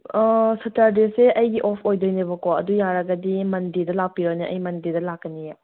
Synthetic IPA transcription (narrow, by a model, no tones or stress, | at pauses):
sɐtaɾdeseʔɐjɡiʔɔpʰojdojnebɐkoɐ̰dujaɾɐɡɐdimɐndidɐlapiɾɐniʔɐjmɐndidɐlakːɐnija